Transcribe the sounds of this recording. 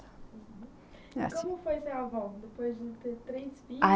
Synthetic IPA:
ɦ | ɛ̰kõmʊfojseɾavɔwd̪epojzd͡ʒɪt̪eɾt̪ɾejzvia

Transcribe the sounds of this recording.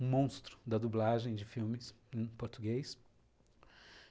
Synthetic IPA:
ũmõw̃st̪ɾʊ̥d̪ɐd̪ublaʒẽj̃d͡ʒɪfiwmɪs | ẽpoɾt̪uɡejs

